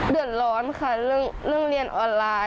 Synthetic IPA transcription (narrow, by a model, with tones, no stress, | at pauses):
dɯ˨˩ət̪̚lɔː˨˧˦nkʰaː˧˩lɯ˧˩ŋlɯ˧˩əŋli˧˩ənʔɔː˧nlaː˧